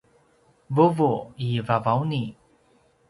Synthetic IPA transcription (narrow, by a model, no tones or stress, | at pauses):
vuvuivavawni